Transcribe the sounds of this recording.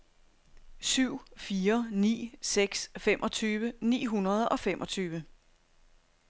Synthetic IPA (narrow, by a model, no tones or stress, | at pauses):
syʊ̰fiːɐnḭːseɡ̥sfemʔɒ̽t͡sʰyːʋənḭːɦunɐð̞ˠɒ̽femʔɒ̽t͡sʰyːʋə